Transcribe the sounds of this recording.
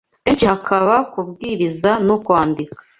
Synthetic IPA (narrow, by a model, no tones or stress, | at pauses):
eɲcihakʰaβakub̚ɡiːɾizanukwaːndikḁ